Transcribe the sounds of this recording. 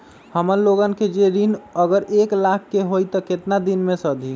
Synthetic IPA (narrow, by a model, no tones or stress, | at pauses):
həməɾloɡənked͡ʒeɾinəɡəɾeklakʰːeɦojt̪əket̪nad̪inmẽsəd̪ʱi